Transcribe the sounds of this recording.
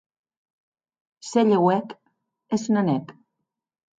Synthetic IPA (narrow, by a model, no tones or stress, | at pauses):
seʎewɛk | esunanɛk